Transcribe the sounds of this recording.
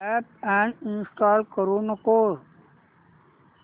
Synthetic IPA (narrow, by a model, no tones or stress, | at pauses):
ɛpɛ̃ɳɖinsʈaːlkəɾunəkoːɾ